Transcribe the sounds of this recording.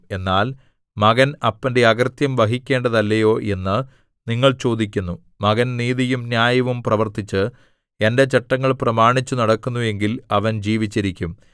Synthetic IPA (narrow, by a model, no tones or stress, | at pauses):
e̞nːaːl | mɐɣɐnɐpːɐndeɐɡrt̪jɐmʋɐɦikʲːe̞ːɳɖɐðɐlːɐjo̞ːʔe̞nːɨ | niŋːɐɭt͡ɕo̞ːd̪ikʲːunːu | mɐɣɐnniːðijumnjaːjɐʋumprɐʋɐrt̪it͡ɕːɨ | e̞nde̞t͡ɕɐʈːɐŋːɐɭprɐmaːɳit͡ɕːunɐɽɐkːunːue̞ŋɡilɐʋɐnd͡ʑiːʋit͡ɕːiɾikʲːum